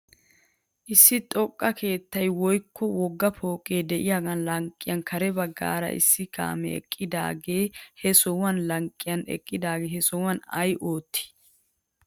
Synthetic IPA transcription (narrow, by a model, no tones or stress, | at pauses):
ʔɪsːɪt̪ʼɔkʼːɐkʰe̞ːt̪ːɐjwɔjkʰːɔwɔɡːɐpʰo̞ːkʼeːd̪ɛʔɪjaːɡɐnlɐŋkʼːɪjɐnkʰɐɾɛbɐɡːa̰ːɾɐ̰ʔɪ̰sːɪka̰ːmɛ̰ɛ̰kʼːɪd̪a̰ːɡe̞ːhɛsɔwɐnlɐŋkʼːɪjɐnɛ̰kʼːɪd̪aːɡeːɦɛsɔwɐnɐ̰jʔo̞ːt̪ːɪ̥